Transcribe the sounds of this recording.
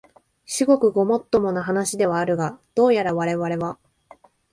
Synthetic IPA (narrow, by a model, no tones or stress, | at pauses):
ɕiɡo̞kɯ̟ɡo̞mo̞t̪ːo̞mo̞naɦanaɕid̪e̞β̞aːɾɯ̟ɡad̪̥o̞ːjaɾaβaɾe̞βaɾe̞βa